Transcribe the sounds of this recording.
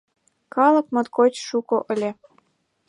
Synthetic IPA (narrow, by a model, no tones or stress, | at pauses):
kɑlɤ̆kmɤ̆t̪kot͡ɕʃukŏʔə̆lʲĕ